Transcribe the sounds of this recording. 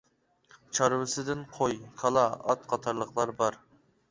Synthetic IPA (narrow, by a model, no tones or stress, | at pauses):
t͡ʃʰɑɾwɪsɪd̪ɪnqʰojkʰɑlˠɑɑt̪qʰɑt̪ʰɑɾlˠəqlˠɑɾbɑɾ